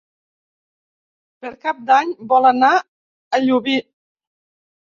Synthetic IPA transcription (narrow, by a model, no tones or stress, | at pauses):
pəɾkap̚d̪aɲbɔləna | əʎuβi